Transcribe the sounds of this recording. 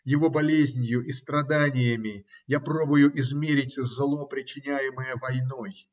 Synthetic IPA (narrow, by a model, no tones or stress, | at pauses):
jɪvo̞bɐlʲezʲnʲjʊʔist̪ɾɐd̪anʲɪjəmʲɪjapɾo̞bʊjʊʔɪzmʲeɾʲɪtʲzlˠo̞pɾʲɪt͡ɕːɪnʲæjɪməjəvɐjno̞j